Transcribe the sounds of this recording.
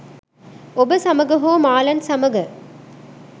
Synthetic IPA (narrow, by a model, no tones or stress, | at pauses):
obəsɐmɐɡɐɦoːmaːlɐnsɐmɐɡɐ